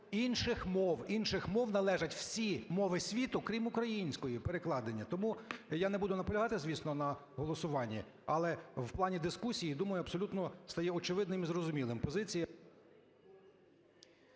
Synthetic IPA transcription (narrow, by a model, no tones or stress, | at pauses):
inʃɪxmɔwinʃɪxmɔwnɐlˠɛʒɐtʲw̥sʲimɔʋɪsʲʋʲit̪ʊkɾʲimʊkɾɐjinʲsʲkɔjipeɾeklˠɑd̪enʲːɐt̪ɔmujanebud̪ʊnɐpɔlʲɐɦɑt̪ɪzʲʋʲisnɔnɐ | ɦɔlˠɔsʊʋɑnʲːḭ | ɐlˠɛwplˠɑnʲid̪ɪskusʲijid̪umɐjʊɐbsɔlʲut̪nɔst̪ɐjɛɔt͡ʃɪʋɪd̪nɪmizɾɔzʊmʲilˠɪmpɔzɪt͡sʲiji